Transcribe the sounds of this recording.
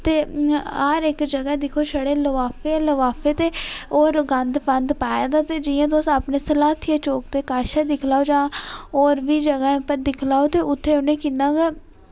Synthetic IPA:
t̪eːaɾɪkd͡ʒəɡãːd̪ɪkʰoːʃəɽeːləʋaːpʰeləʋaːpʰeːt̪eːoːɾɡənd̪pənd̪paːjad̪aːt̪eːd͡ʒɪjãːt̪oːsaːpneːsəlaːt̪ʰijaːt͡ʃoːk̚t̪eːkaːʃad̪ɪkʰlaːoːd͡ʒãːoːɾʋiːd͡ʒəɡaːẽpəɾd̪ɪkʰlaːot̪eːʊt̪ʰːeːʊnẽːkɪnːãːɡeː

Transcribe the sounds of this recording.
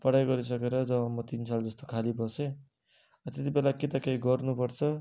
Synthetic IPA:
pʌɽajɡʌɾis̬ʌkeɾʌd͡zʌbʌmʌt̪insald͡zʌst̪okʰalibʌsẽ | ʌt̪et̪ibelaket̪ʌkejɡʌrnupʌrt͡sʰʌ

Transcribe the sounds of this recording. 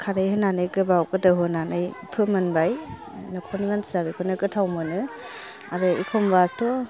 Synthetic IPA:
kʰaɾɯjɦɯnanɯjɡɯbawkɯdɯɦɯnanɯjpʰɯmɯnbaj | nɯkʰɔnimansabikʰɔnɯɡɯtʰawmɯnɯ | aɾɯikʰɔmbatʰɔ

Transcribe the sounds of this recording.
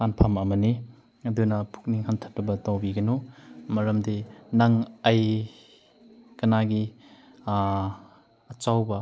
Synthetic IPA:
anpʰamɐmɐni | ɐdunɐpʰu̥k̚niŋhantʰɐp̚ɾɐbɐtawbiɡɐnumɐɾɐmdinaŋaj | kɐnaɡi | t͡ʃawbɐ

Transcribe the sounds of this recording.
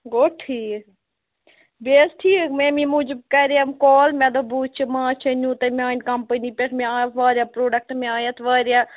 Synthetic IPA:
ɡoːʈʰiː | beːsʈʰiːkmeːmĩːmud͡ʒb̚kɛɾaːmkɔːlmɛ̃d̪obuːt͡ʃʰimãːt͡ʃʰenũːt̪ɐmʲaːnkɐmpəniːpʲeʈʰmẽaːʋaːɾʲjaːpɾoːɖɐk̚ʈmẽaːjaːt̪ʰʋaːɾjaː

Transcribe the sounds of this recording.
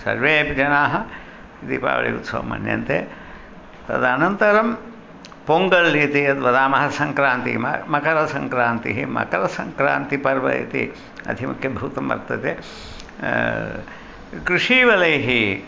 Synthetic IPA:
sɐ̰ɾʋeːpd͡ʒɐnaːɦɐ | id̪ipa̰ːʋɐ̰ɭḭṵt̪sɐ̰ʋɐ̰mɐ̰njɐ̰nt̪eː | t̪ɐ̰d̪anɐnt̪ɐɾɐm | poŋɡɐlːit̪ijɐd̪ʋɐd̪aːmɐɦɐsɐŋkɾaːnt̪ḭmɐmɐkɐɾɐsɐŋkɾaːnt̪iɦimɐ̰kɐɾɐsɐŋkɾa̰ːnt̪ipɐɾʋɐ̰ḭt̪ḭ | ɐ̰d̪ʱimɐkʰjɐbʱuːt̪ɐmʋɐ̰ɾt̪ɐt̪eː | kɾuʂiːʋɐlɐjɦi

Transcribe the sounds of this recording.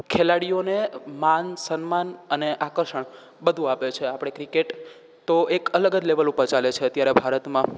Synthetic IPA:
kʰelaɽijonemansənmanəneʔakəɾʃəɳ | bəd̪ʱũapet͡ʃʰeapɽ̃ekɾikeʈ | t̪oekələɡəd͡ʒleʋəlupəɾt͡ʃalet͡ʃʰeət̪jaɾebʱaɾət̪mã

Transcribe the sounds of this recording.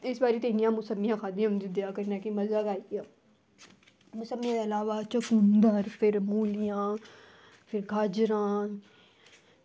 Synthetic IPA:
ɪsbaːɾiːt̪eːnijãːmʊsəmːijãːkʰaːd̪ijãnd͡ʒid̪ejaːkəɾnaːkiməzakaːiaː | mʊsəmːijãd̪eɐlaːʋaːt͡ʃəkuːnd̪aɾpʰɪɾmuːlɪjãː | pʰɪɾɡʱaːd͡ʒɾãː

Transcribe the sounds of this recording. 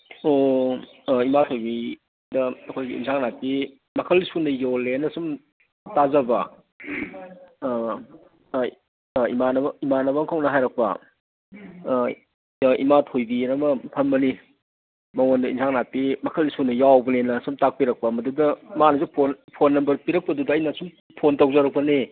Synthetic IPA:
o | imatʰojbi | dɐɐkʰojɡiḭnsʰaŋnapi | mɐkʰɐlisunɐjolenɐsum | tazɐbɐ | imanɐimanɐbɐmkʰawnɐɦajɾɐk̚pɐ̰ | ḭmatʰojbinɐmɐpʰɐnbɐni | mɐwondɐinsʰaŋnapimɐkʰəlisunɐjawbɐnenɐsumtak̚piɾɐk̚pɐmɐdudɐmanɐzupʰonpʰonːɐmbɐɾpiɾɐk̚pɐdudɐːjnɐsum | pʰontawzaɾɐk̚pɐne

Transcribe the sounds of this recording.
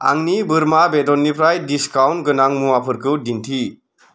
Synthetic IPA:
a̰ŋnibɯɾmabedɔnːipʰɾajdiskawntɡɯnaŋmuwapʰɯɾkʰɯdintʰi

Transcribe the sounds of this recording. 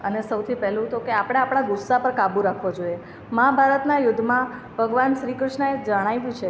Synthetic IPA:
ənesəwt̪ʰipɛɦlũt̪okeapɽ̃eapɽ̃aɡʊsːapəɾkabũɾakʰʋod͡ʒoije | mabʱaɾət̪najʊd̪ʱːmã | bʱəɡʋanʃɾikɾʊʃɳəed͡ʒəɽ̃aiʋũt͡ʃʰe

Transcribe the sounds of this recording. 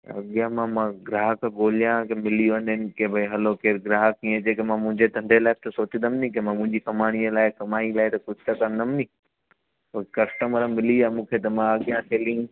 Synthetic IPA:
ɐ̰ɠjãmãmãɡɾaːɦəkɡoːlijãkemɪlijoənɪnkebʱɐiɦɐlokeːɾɡɾaːɦəkĩẽd͡ʑeːkemãmʊ̃ɦɪ̃ɲd͡ʑed̪ʱɐ̃nd̪ʱelaːɪt̪ɐsoːt̪ĩnd̪əmnĩk̬emãmʊ̃ɦɪ̃ɲd͡ʑikɐmaːɽ̃iəlaːɪkɐmaːĩlaːɪt̪ɐkʊd͡ʑʱt̪ɐkɐ̃nnd̪əmnĩ | okɐsʈəməɾəmɪliaːmũːkʰet̪ɐmãɐɠjãsʰeːlɪ̃

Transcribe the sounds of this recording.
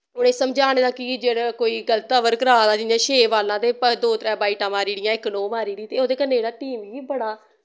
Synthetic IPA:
ʊɽẽːsəmd͡ʒaːɽ̃eːd̪aːkɪd͡ʒeːɽaːkoːiːɡəlt̪ːaːʋəɾkəɾaːd̪aːd͡ʒɪãːʃeːʋaːlãːt̪eːpəd̪oːt̪ɾɛːbaːiːʈãːmaːɾiːɽɪjãːɪknõːmaːɾiːɽĩːt̪eːoːd̪eːkənːeːd͡ʒeːɽaːʈiːmɦiːbəɽaː

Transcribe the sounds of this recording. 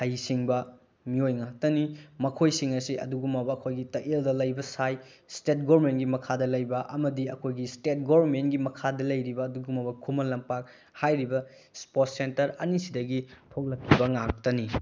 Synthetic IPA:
hajsiŋbɐ | miojŋak̚tɐnimɐkʰojsiŋɐsiɐ̰duɡumːɐbɐːkʰojɡitɐʔeldɐlɐjbɐsaj | stet̚ɡoɾmentɡimɐkʰadɐlɐjbɐʔɐmɐdiɐkʰojɡistet̚ɡobɐɾmentɡimɐkʰadɐlɐjɾibɐːduɡumːɐbɐkʰumɐlɐmpak̚ | hajɾibɐ | spot̚sentɐɾɐ̰nisidɐɡitʰok̚lɐkʰːibɐŋak̚tɐni

